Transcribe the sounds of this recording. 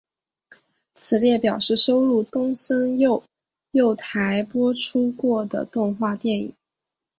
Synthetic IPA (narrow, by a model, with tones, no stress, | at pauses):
t͡sʰɹ̩˨˩ljɛ˥˩pjɑ˨˩ʊʂɻ̩˥˩ʂo˥ʊɻu˥˩t̪ʊ˥ŋsə˥njo˥˧ʊ | jo˥˩ʊt̪ʰa˧˥ɪpwɔ˥ʈ͡ʂʰu˥kwɔ˥˩d̪ə̰˩t̪ʊ˥˧ŋxwa˥˧t̪jɛ˥˩nḭ˨˩˦ŋ